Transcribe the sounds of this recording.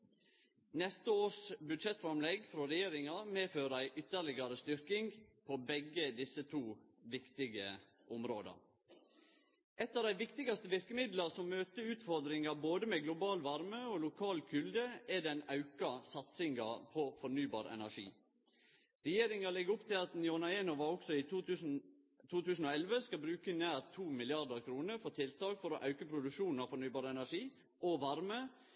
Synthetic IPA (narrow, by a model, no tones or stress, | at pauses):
nɛst̪əoːʂbʉd̪ʃɛt̪fɾɑmlɛɡfɾɔɾɛjeːɾɪŋɑmeːføːɾəæɪʔʏt̪ːəɾlɪɡɑɾəst̪ʏɾkɪŋpʰobɛɡəd̪ɪsːət̪ʰuːʋɪkt̪ɪɡə | ʔɔmɾoːd̪ɑ̰ | ʔɛt̪ːɑʋd̪æɪʋɪkt̪ɪɡɑst̪əʋɪɾkəmɪd̪lɑɾsɔmmøːt̪əʉːt̪fɔɾd̪ɾɪŋɑboːd̪əmɛɡlʊbɑːlʋɑɾməɔlʊkʰɑːlkʰʏld̪əɛd̪ɛnɑʉkɑsɑt̪sɪŋɡɑ̰pʰɔfɔɾnyːbɑ̰ːɾɛ̰næʂḭː | ɾɛjeːɾɪŋɑlɛɡəɾʊpt̪ʰɪlɑt̪nɪɔnɑeːnʊʋɑɾɔksɔiʉs̩ | t̪ʰuːt̪ʉːsn̩ɔɛlʋəskɑbɾʉːkənæːɾt̪ʰuːmɪlɪɑɾd̪əɾkʰɾuːnəɾfɔɾt̪ʰɪlt̪ɑːkfɔɾɔ̰ʔɑʉkəpʰɾʊd̪ʉʃuːnn̩ɑfɔɾnyːbɑːɾɛnæʂiː | ɔʋɑɾmə